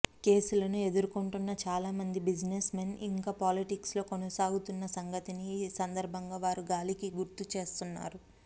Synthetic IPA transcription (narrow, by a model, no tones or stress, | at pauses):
ke̞ːsulɐnue̞d̪uɾukuɳʈunːɐt͡ʃaːlaːmɐnd̪ibid͡ʒnesmenḭŋkaːpaːliʈikslo̞ːkonɐsaːɡut̪unːɐsɐŋɡɐt̪inisɐnd̪ɐɾbʱɐŋɡaːʋaːɾuɡaːlikiɡuɾt̪ut͡ʃe̞ːst̪unːa̰ːɾu